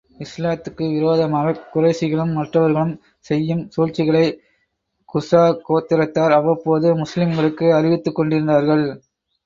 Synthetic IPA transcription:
ɪslaːt̪ːɯkːɯʋɪɾoːðɐmaːɣɐkʊrɐɪsɪɣɐɭɯmːɐʈrɐʋɐɾɣɐɭɯm | sɛjːɯmsuːɻt͡ʃːɪɣɐɭɐɪ | kʊsaːkoːt̪ːɪɾɐt̪ːaːɾɐʋɐpoːðɯmʊslɪmɡɐɭɯkːɯɐɾɪʋɪt̪ːɯkːɔɳɖɪɾɯnd̪aːɾɣɐɭ

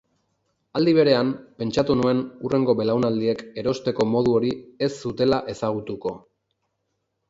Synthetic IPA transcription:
ald̪iβ̞e̞ɾe̞ampe̞nt͡ʃat̪unue̞nure̞ŋɡo̞βe̞lawnald̪ie̞ke̞ɾo̞st̪e̞ko̞mo̞ð̞uo̞ɾie̞sːut̪e̞laʔe̞saɣ̞ut̪uko̞

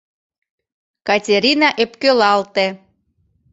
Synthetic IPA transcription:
kɑtʲeɾʲinɑʔepkølɑlt̪e

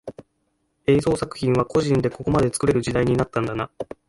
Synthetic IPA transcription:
e̞ːzo̞ːsakɯ̟̥çʲĩɰ̃β̞ako̞ʑĩnd̪e̞ko̞ko̞mad̪e̞t͡sɨ̥kɯ̟ɾe̞ɾɯ̟ʑid̪aiɲ̟inat̪ːãnd̪ana

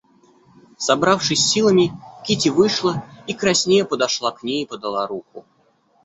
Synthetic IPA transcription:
sɐbɾafʂɨsʲːilˠəmʲɪkʲitʲɪvɨʂlˠəikɾɐsʲnʲejəpəd̪ɐʂlˠaknʲejpəd̪ɐlˠaɾuxʊ̰

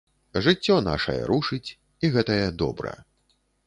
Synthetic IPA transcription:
ʐɨt͡sʲːɔna̰ʂɐ̰jɐ̰ɾuʂɨt͡sʲ | iɣɛt̪ɐjɛd̪ɔ̰bɾɐ̰j

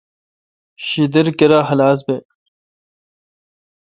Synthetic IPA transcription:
ɕid̪eɾkeɾaɦɐlaːs̬be

